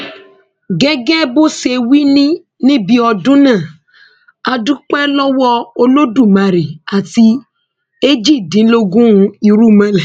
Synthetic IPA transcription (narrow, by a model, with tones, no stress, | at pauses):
ɡɛ˦ɡɛ˦bo˦se˨wi˦nĩ˦ | nĩ˦bi˧ɔ˧dũ˦nã˦˨ | a˨dũ˦k͡pɛ˦lɔ˦wɔ˦o˧lo˦du˦˨mã˨ɾi˨a˨ti˧ | e˦d͡ʒi˦˨dĩ˨˦lo˦ɡũ˦ɾũ˨˦i˧ɾu˦˨mã˦lɛ˨